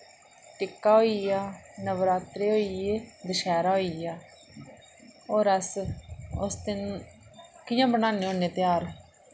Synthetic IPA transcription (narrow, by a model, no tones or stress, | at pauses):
ʈɪkːaːɦoːijaːnəʋɾaːt̪ɾeːɦoːiːjeːd̪əʃaːɾaːɦoːiːjaː | oːɾəs | ʊ̰st̪en | kɪjãːbənaːneːõːneːt̪ɪjaːɾ